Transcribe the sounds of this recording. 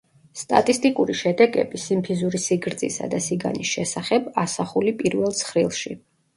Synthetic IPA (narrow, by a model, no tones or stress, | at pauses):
st̪ʼa̰t̪ʼist̪ʼikʼuɾiʃɛd̪ɛɡɛ̰bisimpʰizuɾisiɡɾd̪zʼisa̰d̪asiɡa̰nisʃɛsaχɛbasaχulipʼiɾvɛlˠt̪sʰχɾilˠʃi